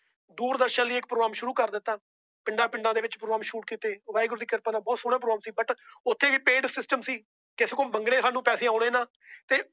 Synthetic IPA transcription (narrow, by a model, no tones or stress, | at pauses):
d̪uːɾd̪əɾʃãːliːɪk̚pɾoːɡɾaːmʃʊɾuːkəɾd̪ɪt̪ːaː | pɪɳɖaːpɪɳɖãːd̪eːʋɪt͡ʃpɾoːɡɾaːmʃuːʈ̚kiːt̪eːʋaːɪɡɾt̪iːkəɾpãːnaːbɔːt̪suːɽãːpɾoːɾaːmsiːbəʈʊt̪ʰːeːʋiːpeːɖsɪsʈəmsiː | kɪseːkoːməŋɡɽeːsaːnːũːpɛːsẽːaoːɽẽːnãː | t̪eː